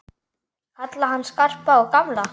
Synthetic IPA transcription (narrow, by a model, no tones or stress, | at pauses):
kʰat̪laɦanːskar̥paɔɣkamla